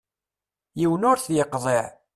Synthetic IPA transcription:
jiwənʊɾθjəqːðˤeʕ

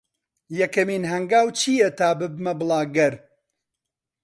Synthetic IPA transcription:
jɐkɐmiːnɦɐŋɡaːwt͡ʃʰiːjɛt̪ʰaːbɨbmɐbɨlˠaːɡɐɾ

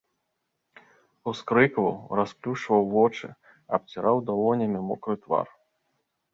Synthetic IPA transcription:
uskɾɨkvɐ̰wrasplʲut͡ʂvɐwvɔt͡ʂɨ̰ | ɐp̚t͡sʲiɾʔawd̪ɔlɔnʲɐmʲimɔkɾɨt̪va̰r

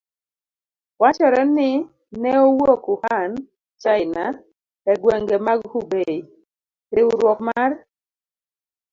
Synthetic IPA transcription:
wat͡ʃɔɾɔnɪ | nɛowokuhan | t͡ʃaɪna | ɛɡwɛŋɡɛmaɡhubei | ɾɪwʊɾwɔkmar

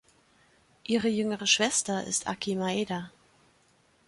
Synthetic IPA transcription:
ʔiːʁəjʏŋəʁ̞əʃv̥ɛstɐʔɪ̰stʰʔa̰kʰimaeːda

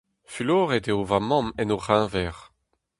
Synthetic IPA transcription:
fyloːʁed̪eovamɔ̃mɛnoʁɛ̃vɛːʁ

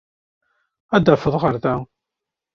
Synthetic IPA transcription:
æd̪əfəðˤʁəɾðæ

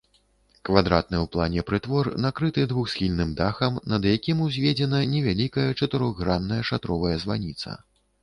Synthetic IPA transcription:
kvad̪ɾat̪̚nɨwplˠanʲɛpɾɨt̪vɔrnakɾɨt̪ɨd̪vuxsʲxʲilʲnɨmd̪axɐmnɐd̪jakʲimuzʲvʲed͡zʲɛnɐnʲɛvʲalʲikɐjɐt͡ʂɐt̪ɨɾɔɣːɾanːɐjɛʂat̪ɾɔvɐjɛzva̰nʲit̪sɐ̰

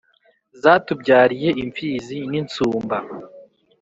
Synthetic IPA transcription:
zaːtub̚ɟaːɾije̞ʔiɱfiːzinint͡suːmba

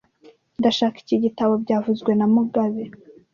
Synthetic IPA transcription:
ndaʃaːki̥ciɟitaβo̞bɟaːvuzɡwe̞namuɡaβe

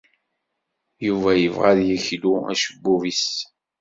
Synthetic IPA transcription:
juvæjəvʁaðjəçluæ̰ʃəbːuvis

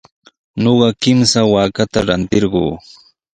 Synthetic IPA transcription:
ɲoɢɑkɪmsawaːkat̪aɾant̪ɪɾɢoː

